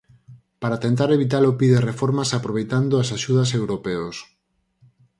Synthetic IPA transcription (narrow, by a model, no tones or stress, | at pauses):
paɾat̪ent̪aɾeβit̪aɾopiðerefoɾmasapɾoβejt̪and̪oasaʃuð̞ɐsewɾopeos